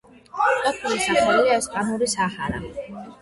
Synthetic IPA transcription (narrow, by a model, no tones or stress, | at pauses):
k̪ʼatʰulisaχmɛɛliaɛsqʼanuɾisaχaɾa̰